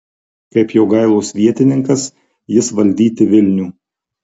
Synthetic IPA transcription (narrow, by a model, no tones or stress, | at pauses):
kɐɪpjoːɡɐɪlˠoːsʋʲiɛt̪ʲɪnʲɪŋkɐs | jɪsʋɐlʲd̪ʲiːt̪ʲɪʋʲɪlʲnʲuː